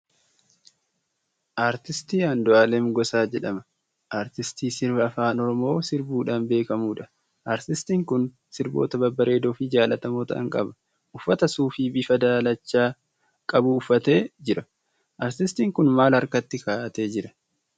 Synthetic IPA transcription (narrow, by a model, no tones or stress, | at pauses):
ʔaːɾt̪ɪst̪iːɐnd̪ɔʔaːlɛmɡɔsaːd͡ʒɛᶑɐmɐ | ʔaːɾt̪ɪst̪iːsɪɾbɪɐfaːnɔɾɔmo̞ːsɪɾbuːᶑaːnbe̞ːkɐmuːᶑɐ̥ | ʔaːɾt̪ɪst̪iːŋkʊn | sɪɾbo̞̰ːt̪ɐbɐbɐɾe̞ːd̪oːfɪd͡ʒaːlɐt̪ɐmoːt̪ɐɐ̰ŋkʼɐ̰bɐ̥ | ʔʊfːɐt̪ɐsuːfɪbɪfɐd̪aːlɐt͡ʃːaː | kʼɐbuʊfːɐt̪e̞ːd͡ʒɪɾɐ | ʔaːɾt̪ɪst̪iːŋkʊnmaːlɐɾkɐt̪ːɪkaːʔɐt̪e̞ːd͡ʒɪɾɐ